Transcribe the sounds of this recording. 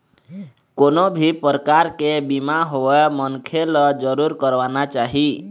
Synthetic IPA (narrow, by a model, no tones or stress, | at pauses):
konobʱipɾəkaɾkebimaɦoemənkʰelɔd͡ʒəɾuɾkəɾbanat͡ʃaɦi